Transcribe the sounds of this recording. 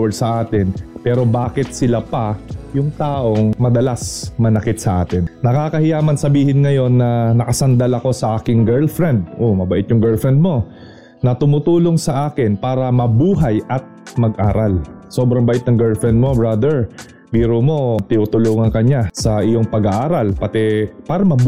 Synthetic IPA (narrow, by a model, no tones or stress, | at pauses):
ɛsɐʔaːt̪ɪnpɛːɾo̞baːkɪt̪̚sɪlapɐjʊŋt̪aːʔo̞ŋmɐd̪ɐlasmɐnɐkɪt̪̚sɐʔaːt̪ɪnːɐkaːkɐhɪjaːmɐnsɐbiːhɪnŋɐjo̞nːɐnɐkɐsɐnd̪alɐko̞sɐʔaːkɪŋɡɛɹlfɹɛnd̪̚ʔomɐbɐʔɪt̪jʊŋɡɛɹlfɹɛnd̪̚mo̞ | nɐt̪ʊmʊt̪uːlo̞ŋsɐʔaːkɪnpaːɾɐmɐbuːɦajʔɐt̪̚mɐɡʔaːɾalso̞ːbɾɐŋbɐʔɪt̪̚nɐŋɡɛɹlfɹɛnd̪̚mo̞bɹad̪ɛɹ | biːɾomo̞t̪ɪnuːt̪ʊluːŋɐŋkɐɲasɐʔɪjo̞ŋpɐɡaʔaːɾalpɐt̪ɛpaːɾɐmɐb